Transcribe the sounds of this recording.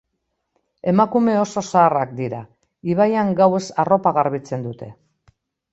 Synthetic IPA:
e̞makume̞o̞so̞saːrak̚d̪iɾa | iβajaŋɡawe̞saro̞paɣaɾβit͡se̞nd̪ut̪e̞

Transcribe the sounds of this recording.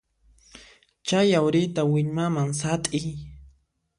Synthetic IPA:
t͡ʃajawɾɪt̪awɪʎmamaŋsat̪ʼɪj

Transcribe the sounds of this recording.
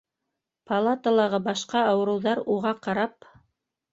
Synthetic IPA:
pɐlˠat̪əlˠɑʁɤbɑʃqɑɑwɤ̆ɾɤ̆wðɑɾuʁɑqɑɾɑp̚

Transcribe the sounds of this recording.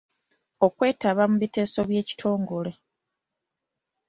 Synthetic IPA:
o̞kwe̞ːtaβamuβite̞ːso̞βje̞ːci̥tʰo̞ːŋɡo̞le

